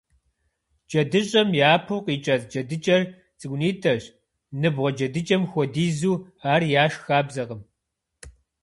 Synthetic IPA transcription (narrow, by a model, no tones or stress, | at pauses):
d͡ʒɐdɨɕʼɐmjaːpʰɨwqiːt͡ʃʼɐzd͡ʒɐdɨt͡ʃʼɐr | t͡sʼɨɡʷniːtʰɐɕ | nɨbʁʷɔd͡ʒɐdɨt͡ʃʼɐmxʷɔdiːzuː | aːrjaːʃxaːbzɐʁəm